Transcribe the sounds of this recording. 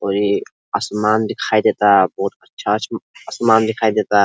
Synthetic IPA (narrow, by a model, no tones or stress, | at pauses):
oɾi | ɐsmaːnd̪ikʰaːid̪et̪about̪ɐtːʃʰaɐsmaːnd̪ikʰaːid̪et̪a